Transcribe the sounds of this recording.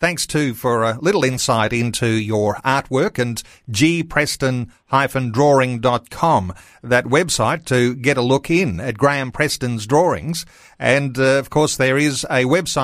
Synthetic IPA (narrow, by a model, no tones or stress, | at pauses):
θæ̃ŋkstʰʉfə˞əlɪɾl̩ˠɪ̃nsaɪɾɪ̃ntʰʉjə˞ɑɹt̚wɜ˞kɨ̃n | d͡ʒipʰɹ̥ɛstɨ̃nhaɪfɨ̃ndɹɔɹɪ̃ŋdɑt̚kʰɑ̃m | ðɨt̚wɛbsaɪtʰɨɡɛɾəlʊkʰɪ̃nɨ̰t̚ɡ̥ɹæ̃npʰɹ̥ɛstɨ̃nzdɹɔɹɪ̰̃ŋz̥ | ʔɨ̃nʌv̥kʰɔɹsðə˞ɪzɨwɛb̥saɪ